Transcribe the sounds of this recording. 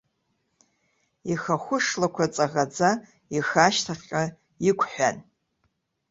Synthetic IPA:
ixaχʷʊʂlakʷʰat͡sʼaʁad͡za | ixaʃtʰaχʲʼa | ikʷʰħʷᶣan

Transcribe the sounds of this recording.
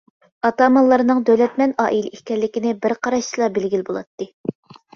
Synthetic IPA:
ɑt̪ɑmɑlˠːɑɾnɨŋd̪øwlɛt̪mɛnɑ̰ːʔilɪihkʲɛlːɪkʲinɪbɪɾqʰɑɾɑʃt͡ʃʰilˠɑbelɡʲilbolˠɑ̰t̪ːɨ

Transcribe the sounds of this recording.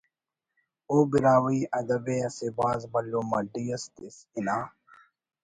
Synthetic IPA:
obiɾaːwiːɐd̪ɐbeɐsibaːzbɐlːomɐɖijɐst̪isinaː

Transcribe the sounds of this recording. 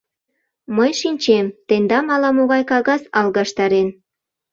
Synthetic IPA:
məjʃinʲt͡ɕemt̪end̪ɑmɑlɑmoɣɑjkɑɣɑsɑlɣɑʃt̪ɑɾen

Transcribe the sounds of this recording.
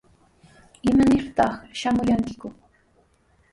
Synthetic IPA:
ɪmanɪɾt̪ɑχʃamʊjaŋkɪkʊ

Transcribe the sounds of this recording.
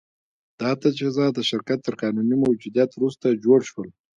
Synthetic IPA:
d̪̥ɑt̪at͡ʃezɑd̪əʃɪɾkat̪ːəɾqɑnunimawd͡ʒud̪jat̪wɾust̪ad͡ʒoɽʃwəl

